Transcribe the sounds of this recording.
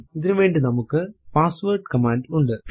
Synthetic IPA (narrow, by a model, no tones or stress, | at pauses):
ɪðɪɾɯʋeːɳɖɯnɐmɯkːɯpaːsʋɐːɾʈkɐmaːɳɖʊɳɖɯ